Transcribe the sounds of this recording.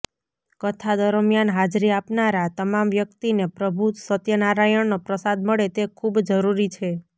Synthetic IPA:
kət̪ʰad̪əɾmjanɦad͡ʒɾiapnaɾat̪əmamʋjəkt̪inepɾəbʱut̪sət̪jənaɾajəɳnopɾəsad̪məɭet̪ekʰubd͡ʒəɾuɾit͡ʃʰe

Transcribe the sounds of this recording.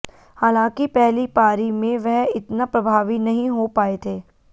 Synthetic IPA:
haːlãːkipɛɦlipaːɾimẽʋɛɦɪt̪napɾɐbʱaːʋinɐɦĩɦopaːet̪ʰeː

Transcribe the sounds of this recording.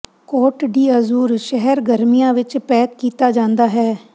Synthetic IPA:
kɔːʈɖiːəzuːɾʃɛɦɛɾɡəɾmijãːʋɪt͡ʃpɛːkːiːt̪aːd͡ʒãːnd̪aːɦɛː

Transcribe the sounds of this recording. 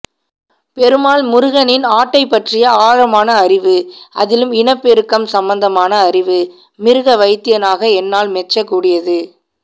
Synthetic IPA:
pɛɾɯmaːlmʊɾɯɣɐnɪnaːʈːɐɪpːɐʈrɪjɐaːɻɐmaːnɐːɾɪʋɯʔɐðɪlɯmɪɳɐpːɪɾɯkːɐmsɐmbɐnd̪ɐmaːnɐːɾɪʋɯ | mɪɾɯɣɐʋɐɪt̪ːɪjɐnaːɣɐɛnːaːlmɛt͡ʃːɐkːuːɽɪjɐðɯ

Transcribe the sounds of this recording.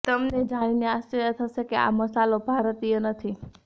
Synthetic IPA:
t̪əmned͡ʒaɽ̃ineaʃt͡ʃəɾjət̪ʰəʃekea̰məsalobʱaɾət̪ijənət̪ʰi

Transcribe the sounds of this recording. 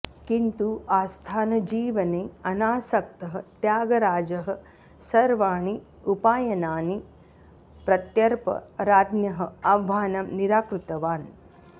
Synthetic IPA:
kint̪uʔaːst̪ʰaːnɐd͡ʒiːʋɐneːɐnaːsɐk̚t̪ɐɦɐ̆t̪jaːɡɐɾaːd͡ʒɐɦɐ̆ | sɐɾʋaːɳi | upaːjɐnaːni | pɾɐt̪jɐɾpɐ̰ɾaːd̪njɐɦɐɐʋaːnɐmniɾaːkɾut̪ɐʋaːn

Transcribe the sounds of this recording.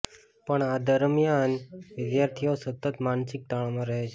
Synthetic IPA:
pəɳad̪əɾmijanʋɪd̪jaɾt̪ʰiosət̪ːət̪mansɪk̚t̪aɭ̃omãɾəɦet͡ʃʰe

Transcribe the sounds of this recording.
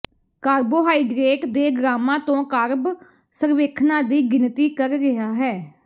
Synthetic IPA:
kaːɾboːɦaːiːɡɾeːʈd̪eːɡɾaːmãːt̪õːkaːɾb | səɾʋeːkʰnãːd̪iːɡɪnt̪iːkəɾɡɪɦaːɦɛː

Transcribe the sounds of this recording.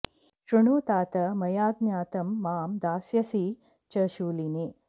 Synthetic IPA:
ʃɾuɳoːt̪aːt̪ɐmɐjaːɡ̚njaːt̪ɐmːaːmd̪aːsjɐsi | t͡ʃɐʃuːlineː

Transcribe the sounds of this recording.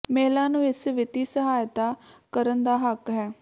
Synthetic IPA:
mɛɦlaːnũːɪsʋɪt̪iːsəɦaːjt̪aːkəɾənd̪aːɦəkɦɛː

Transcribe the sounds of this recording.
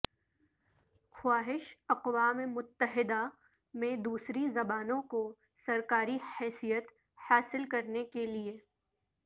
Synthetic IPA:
xwaːɦɪʃɐqwaːmemʊt̪ːəɦɪd̪a | mẽd̪uːsɾizɐbaːnõko | sɐɾkaːɾihɛːsijət̪ | haːsɪlkɐɾnekelie

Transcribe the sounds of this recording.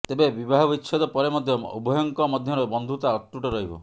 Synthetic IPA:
t̪ebebibaɦɔbitːt͡ʃʰɔd̪ɔpɔɾemɔd̪ʱjɔubʱɔjɔŋkɔmɔd̪ʱjɔɾɔbɔnd̪ʱut̪aɔt̪ɾuʈɔɾɔɦibɔ̰

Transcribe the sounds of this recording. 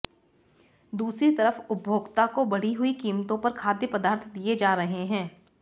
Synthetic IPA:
d̪uːsɾit̪ɐɾəfʊbʱjoːɡt̪akobɐɽ̤iɦʊikiːmt̪õpɐɾkʰaːd̪jəpɐd̪aːɾt̪ʰd̪ied͡ʒaːɾɐɦeɦɛ̃ː

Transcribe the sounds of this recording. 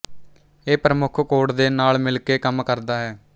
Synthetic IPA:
eːpɾəmʊkʰkoːʈd̪eːnaːlmɪlkeːkəmkəɾd̪aːɦɛː

